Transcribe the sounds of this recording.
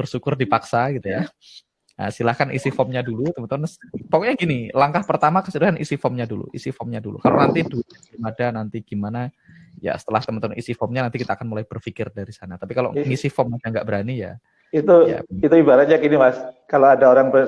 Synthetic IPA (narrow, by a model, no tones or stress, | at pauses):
b̥ərsukʊrdipaksaɡit̪uja | ə̰silahkanʔḭsifɔmɲadulut̪əmənt̪əmənpɔkɔʔɲaɡinilaŋkahpərt̪amakəsuɾuɦanisifɔmɲadulṵʔḭsifɔmɲadulṵkalo̰nant̪idu | imadanant̪iɡ̥imana | ja̰sə̥t̪əlaht̪əmənt̪əmʊnisifɔmɲanant̪ikit̪aːkanmulajb̥ərfikɪrdaɾisanat̪apikalo̰ʔŋisifɔmakaŋɡaʔbəɾanija̰ | it̪uja̰it̪uibaɾat̪̚ɲakinimaskaloadaoɾaŋpə